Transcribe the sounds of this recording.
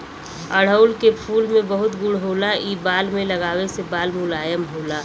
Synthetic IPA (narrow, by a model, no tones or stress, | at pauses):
əɽ̤əʊlkepʰuːlmẽbəɦʊt̪ɡʊɽɦoːlaiːbaːlmẽlɐɡaːwesebaːlmʊlaːjəmɦoːlaː